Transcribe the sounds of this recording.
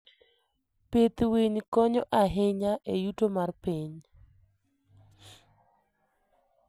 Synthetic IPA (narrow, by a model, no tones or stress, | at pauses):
pet̪weɲkɔɲɔʔaɦɪɲaʔejutomarpiɲ